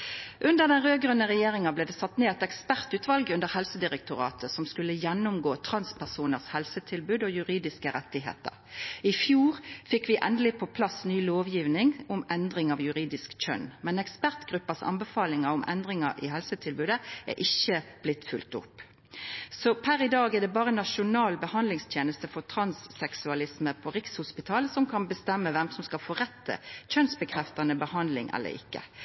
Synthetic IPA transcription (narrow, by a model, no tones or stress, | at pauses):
ʔʉnd̪əʁd̪ɛnʁøːɡʁʉnːəʁɛjeːʁɪŋɑbleːd̪ɛːsɑt̪ːneːɛt̪ɛkspæʁt̪ʉːt̪ʋɑlɡʉnd̪əʁhɛlsəd̪ɪʁɛk̚t̪ʊʁɑ̰ːt̪ʰəsɔmskʉlːəjɛnːʊmɡoːt̪ʰɾɑnspʰæʁsuːnəʁshɛlsət̪ʰɪlbʉːd̪ɔjʉʁiːd̪ɪskəɾɛt̪ːɪɦḛːt̪ə̰ʁɪfjuːʁfɪkːʋɪʔɛnd̪əlɪpʰɔpʰlɑsnyːloːʋjiːʋnɪŋʊmɛnd̪ʁɪŋɑʋjʉʁiːd̪ɪskc͡çœ̰nmɛnɛkspæʁt̪ɡ̥ɾʉpːɑsɑ̰nbəfɑːlɪŋɑʊmʔɛ̰nd̪ʁɪŋɑʔɪ̰hɛlsət̪ʰɪlbʉːd̪əæ̰ʔɪçːəb̥lɪt̪ːfʉlt̪ʊ̰pː | sɔpʰæɾɪd̪ɑːɡɛd̪ɛbɑːʁənɑʂʊnɑːlbəhɑnd̪lɪŋst̪ʰjeːnəst̪əfɔt̪ʰɾɑnsːɛksʉɑlɪsməpʰɔʁɪkshʊspɪt̪ʰɑːlsɔmkʰɑnbəst̪ɛmːəʋɛmsɔmskɑlfɔːʁɛt̪ːə̰c͡çœnsbəkʰʁɛft̪ɑnəbəhɑnd̪lɪ̰ŋʔɛ̰lːə̰ɾɪ̰kːə̰